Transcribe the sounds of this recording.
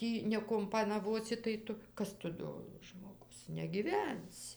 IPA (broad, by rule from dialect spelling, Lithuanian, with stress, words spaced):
ˈtʲiː nʲɛkʊmpɐnɐˈʋoːsʲɪ tɐɪ ˈtʊ ˈkɐs tʊ ˈdoː ʒmoːˈɡʊs nʲɛɡʲiːˈʋʲɛnʲsʲɪ